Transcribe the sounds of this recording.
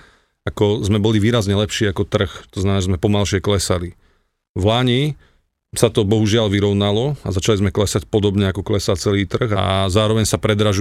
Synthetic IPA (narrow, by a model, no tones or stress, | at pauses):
akɔzmɛbɔliʋiːɾazɲɛlɛpʃiːakɔt̪r̩xt̪ɔznamɛnaːʒɛzmɛpɔmalʃɪɛklɛsali | vlaɲi | sat̪ɔbɔɦuʒɪalʋiɾɔʊnalɔa̰zat͡ʃalizmɛklɛsacpɔd̪ɔbɲɛakɔklɛsat͡sɛliːt̪r̩ɣazaːɾɔʋɛɲsapɾɛd̪ɾaʒu